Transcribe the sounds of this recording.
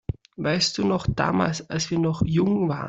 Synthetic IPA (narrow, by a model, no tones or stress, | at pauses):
vaɪst̚d̥uːnɔχd̥a̰ːma̰ːlsalsv̥iːɐnɔχjʊŋva̰ːə